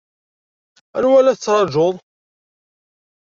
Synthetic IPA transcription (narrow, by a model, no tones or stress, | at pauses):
æ̰ɾwælːæθət͡sːɾˤɑʒoðˤ